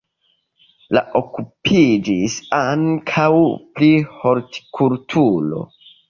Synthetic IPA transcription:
la̰ʔokupʰid͡ʒisaŋkʰawplihoɾti̥kʰultʰulo̞̰

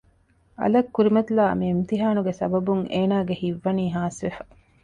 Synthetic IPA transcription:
ɐ̰lɐkːuɾimɐt̪ilaːɐ̰miimt̪iɦaːnuɡesɐ̰bɐbuŋeːnaːɡehiʋːɐniːɦaːsʋefɐ

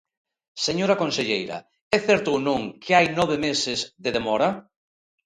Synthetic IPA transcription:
seɲoɾɐkõnseʎejɾɐ̰ | ɛθɛɾt̪ʊːnõŋkʰeajnɔβ̞emesɪzðeðemɔɾɐ

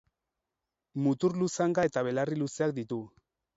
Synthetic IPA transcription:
mut̪uɾlusaŋɡaet̪aβ̞e̞lariluse̞ak̚d̪it̪u

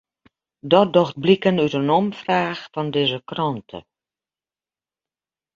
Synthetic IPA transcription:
dɔt̚dɔxt̚blikənytənɔmfraːxfɔndɪːzəkrɔntʰə̰

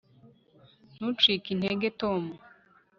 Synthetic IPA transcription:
n̥ut͡ʃiːkin̥eɡetomu

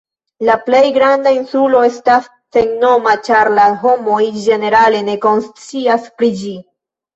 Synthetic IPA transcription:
laple̞jɡɾandainsulo̞e̞stasːe̞ŋno̞mat͡ʃaɾlaɦo̞mo̞jd͡ʒe̞ne̞ɾale̞ne̞ko̞nst͡siaspɾid͡ʒi

